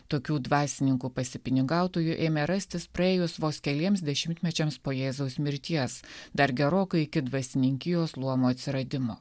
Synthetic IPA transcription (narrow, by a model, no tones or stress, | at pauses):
t̪oːkʲuːd̪ʋɑːsʲɪnʲɪŋkuːpɐsʲɪpʲɪnʲɪɡɑˑʊt̪oːjʊʔeːmʲɛɾɐsʲt̪ʲɪspɾɐeːjʊsʋoːskʲɛlʲiɛms̬d̪ʲɛʃʲɪmʲt̪ʲmʲɛt͡ʃʲɛmspoːjeːzɐʊsʲmʲɪɾʲt̪ʲiɛsd̪ɐɾɡʲɛɾoːkɐɪɪkʲɪd̪ʋɐsʲɪnʲɪŋʲkʲɪjoːslˠuɔmoːɐt̪ʲsʲɪɾɐd̪ʲɪmoː